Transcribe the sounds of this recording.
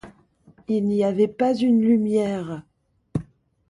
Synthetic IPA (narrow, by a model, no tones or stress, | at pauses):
ilniavɛpazynlymjɛːʁ